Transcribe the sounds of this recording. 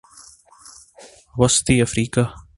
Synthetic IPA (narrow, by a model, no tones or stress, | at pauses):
wɐst̪iːəfɾiːkaː